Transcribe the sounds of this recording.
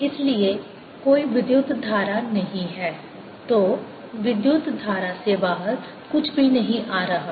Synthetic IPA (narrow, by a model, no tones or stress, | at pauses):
ɪslieː | koːiʋɪd̪jʊt̪d̪ʱaːɾaːnəɦĩːɦɛː | t̪oː | ʋɪd̪jʊt̪d̪ʱaːɾaːsebaːɦəɾ | kʊt͡ʃʰbʱiːnəɦĩʔaːɾəɦaː